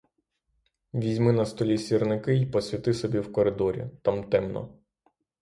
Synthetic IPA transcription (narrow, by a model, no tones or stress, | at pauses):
ʋʲizʲmɪnɐst̪ɔlʲisʲirnɪkɪjpɔsʲʋʲit̪ɪsɔbʲiwkɔɾɪd̪ɔɾʲḭt̪amt̪ɛmnɔ̰